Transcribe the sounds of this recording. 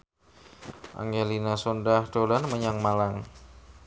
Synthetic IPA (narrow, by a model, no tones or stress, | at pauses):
ʔa̰ŋɡelinasondahd̥olanməɲaŋmalaŋ